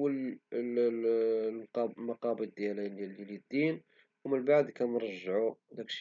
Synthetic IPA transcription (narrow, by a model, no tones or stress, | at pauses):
wəl | qɑmɑqɑbəd̪̚ːjælillilid̪ːin | wmənbaʕd̪kænɾˤɑʒːʕud̪ækʃ